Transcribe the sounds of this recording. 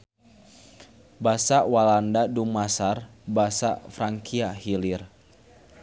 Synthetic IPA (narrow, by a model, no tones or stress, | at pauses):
basawalandadumasarbasa̰fɾaŋkiahilir